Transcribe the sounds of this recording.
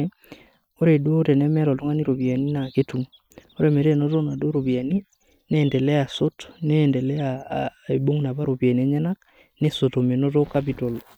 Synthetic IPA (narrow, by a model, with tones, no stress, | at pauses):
o˦ɾe˨do˦ɾɛ˨nɛ˦mɛ˦lɔ˨to˦ŋa˦ni˦ɾo˨pja˨ni˦na˨ke˦tu˨ | o˦ɾe˨me˨ɾe˦˨no˦to˦na˨do˦ɾo˨βi˨a˨ni˦ | nɛ˨ndɛ˨lɛ˦a˨so˦to̥neː˦˨ndɛ˨lɛ˦ae˨bo˦ŋna˨βa˦ɾo˨pja˨nɛ˦ɲɛ˦na˦ | ne˦so˨to˨me˨no˦t̬o˦kap̬i˨to˨l